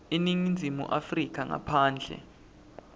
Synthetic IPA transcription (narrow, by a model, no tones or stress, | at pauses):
eniŋind͡zʱimṵʔafrik̬ʰaŋa̰pʰaːnd͡ɮʱɛ̰